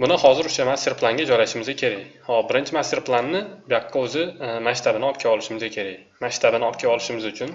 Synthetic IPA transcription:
bʊnɪhɒzɪɾʊ̥ʃamasʲt̪ʲeɾplˠaŋɡʲad͡ʒɒjlaʃɪmɪzʲakʲʰe̞ɾajhɒbɪɾɪnt͡ʃʰɪmast̪ʲeɾplˠanːɪbjaqʰːɑɵzɪmaʃt̪ʰabɪnɪɒp̚kʲʰaɒlˠɪʃɪmɪzʲakʲʰe̞ɾaj | maʃt̪ʰabɪnɪɒpkʲaɒlɪʃɪmɪzʊt͡ʃʰʊn

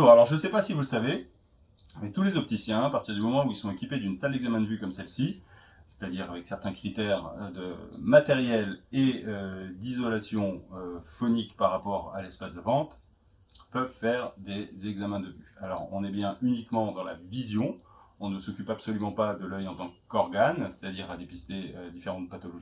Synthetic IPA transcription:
uʁalɔʁʒənsɛpasivuləsave | amɛk̚t̪ulezɔp̚t̪isjɛ̃apaʁt̪iʁd̪ymɔmɑ̃uilsɔ̃ekʲiped̪ynsald̪ɛɡzamɛ̃d̪əvykɔmsɛlsi | se̥t̪ad̪iʁavɛksɛʁt̪ɛ̃kχit̪ɛʁd̪əmat̪ɛʁjɛleød̪izɔlasjɔ̃øfɔnikpaʁːapɔʁalɛspasd̪əvɑ̃t̪ | pœvfɛʁd̪ezɛɡzamɛ̃d̪əvyalɔʁɔ̰̃nɛbjɛ̃ʔynikmɑ̃d̪ɑ̃lavizjɔ̃ɔ̃nəsɔkʲypapsɔlymɑ̃pad̪əlœjɑ̃t̪ɑ̃kɔʁɡanse̥t̪ad̪iʁad̪epist̪eød̪ifeʁɑ̃t̪̚pat̪ɔlɔʒi

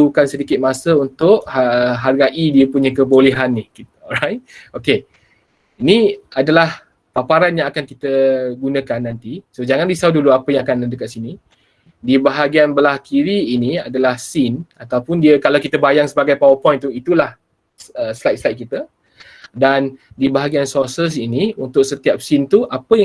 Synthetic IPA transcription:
ukansədikɪt̪̚masəunt̪ʊʔhɦarɡaʔidiəpuɲəkəbolɛɦanːihkit̪̚ɔɾajt̪̚oke | iniadalah | papaɾanjãŋakankit̪əɡunə̃kanːant̪isod͡ʒaŋãndisauduluapəjãŋakanədəkat̪̚sini | dibaɦaɡianbəlahkʰiɾiːnia̰dalahsinat̪awpʊndiəkalawkit̪əbajaŋsəbaɡajpawəpɔjnt̪uit̪ulah | əslajt̪̚slajt̪̚kit̪ə | dan | dibaɦaɡiansɔsəs̬iniunt̪ʊk̚sət̪iap̚sint̪uʔapəja

